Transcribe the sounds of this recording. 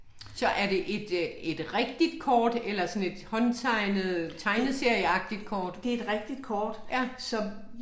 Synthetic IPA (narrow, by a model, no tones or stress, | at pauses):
sɒ̽ʔæɐde̝ʔe̝d̥e̝d̥ʁeɡ̥d̥id̥kʰɒːd̥elɐsɒ̽ne̝d̥hɒ̽nt͡sʰɑ̈ɪnð̩ˠt͡sʰɑ̈ɪnəse̝ɐ̰jəɑ̈ɡ̥̚d̥id̥̚kʰɒːd̥d̥e̝ed̥ʁɛɡ̥̚d̥id̥̚kʰɒːd̥sɒ̽